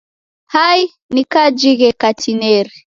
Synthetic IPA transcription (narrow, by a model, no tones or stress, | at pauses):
haj | nikad͡ʒiɣɛkatʰinɛɾi